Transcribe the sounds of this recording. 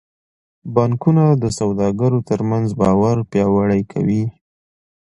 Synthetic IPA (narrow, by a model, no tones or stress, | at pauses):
bɑŋkunad̪əsawd̪ɑɡaɾot̪əɾmanzbɑwaɾpjɑwaɽajkʰa̰wi